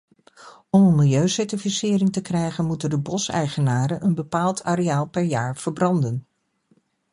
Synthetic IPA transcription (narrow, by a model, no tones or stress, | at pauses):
ɔmənmɪlˠjøɥsɛɹtifisɪːɾɪŋtəkrɛjχənmutəndəbɔsɛ̰jχənaːɾənənbəpaːlˠtʰaːɾeaːlˠpɛɹjaːɹv̥əɹbrɑndən